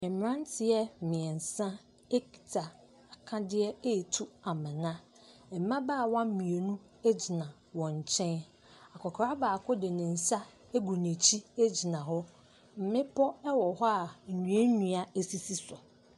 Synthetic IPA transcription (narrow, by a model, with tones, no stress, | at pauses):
ɛ˨m˨ã˦n˦tʰɪ˨jɛ˦˨mɪ̃˨ɛ˨n̩˨sã˦ | e˦ki̥˨tʰa˨ | a˨kʰã˦dɪ˦ɛ˦e˦˨tʰu˦a˨mɪ̃˨nã˦ | ɛ˨m̩˨˦mã˦baː˦˨wã˦m̩˦mĩ˨e˨nũ˦ | e˦d͡ʑi˨nã˨ | wɔ̃˨ɲ˨t͡ɕʰɛ̃˦n | a˨kʰɔ˨kʰɾa˦baː˨kʰʊ˦dɪ˨nɪ̃˨n̩˨sa˦ | e˦ɡu˨nẽ˨t͡ɕʰi˦e˦d͡ʑi˨nã˨ɦɔ˦ | m̩˨mɪ̃˦pʰɔ˦ɛ˦wɔ˨ɦɔ˦a˨n̩˨nũ˨˦e˦nũ˨a˨e˨si˨si˦sʊ˨